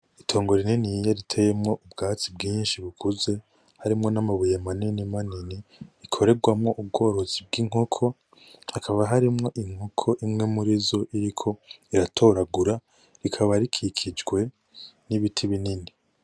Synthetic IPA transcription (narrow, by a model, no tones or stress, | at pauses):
itʰo̞ːŋɡo̞ɾininijaɾitʰejemŋo̞ʔubɡaːt͡sibɡiːnʃiβukʰuze̞ | haɾimŋo̞namaβujamaninimaniniɾikʰo̞ɾe̞ɡwamŋo̞ʔub̚ɡo̞ːɾo̞zib̚ɡiŋ̥okʰo̞ | hakʰaβaɦaɾimŋo̞ʔiŋ̥okʰo̞ʔimŋe̞muɾizo̞ʔiɾikʰo̞iɾatʰo̞ɾaɡuɾa | ɾikʰaβaɾikʰikʰid͡ʒɡwe̞ | niβitʰiβinini